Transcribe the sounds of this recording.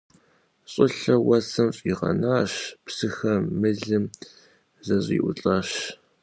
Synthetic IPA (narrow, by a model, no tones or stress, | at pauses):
ɕʼɪɬɐwɐsɐmɕʼiːʁɐ̰naːɕpsɨxɐmɨɮɨm | zɐzʼḭːʔʷʊt͡ɬʼaːɕ